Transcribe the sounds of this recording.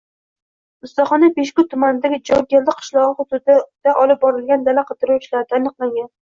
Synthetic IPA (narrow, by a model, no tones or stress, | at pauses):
ʊst̪ɒχɒnapeʃkʲʊt̪ʰʊmanɪd̪aɡʲɪd͡ʒɒɾɡʲeld̪ɪqʰɨ̥ʃlˠɒʁɨχʊd̪ʊd̪d̪̥aʔɒlɪp̚bɒɾɪlɡʲand̪alaqʰɨd̪ɪɾuwɪʃlaɾd̪aːnɨqlaŋɡʲan